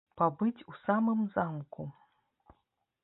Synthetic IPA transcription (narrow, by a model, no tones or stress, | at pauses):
pabɨt͡sʲusamɨmzamku